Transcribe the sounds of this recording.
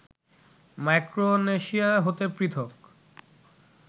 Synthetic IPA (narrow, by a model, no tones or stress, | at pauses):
majkɾoneʃiaɦot̪epɾit̪ʰok